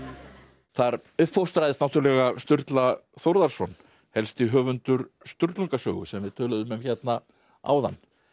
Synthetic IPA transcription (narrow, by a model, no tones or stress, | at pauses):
θaɾʏhpfowst̪ɾajðɪstnawt̪ʏɾlɛɣast̪ʏɾt̪laθoɾðaɾ̥sɔn | hɛlst̪iɦœːvʏnt̪ʏɾst̪ʏɾt̪luŋkasœ̰ːɣʏsɛmvɪðt̪ʰœːlʏðʏmɛmçɛt̪na | a̰wða̰nː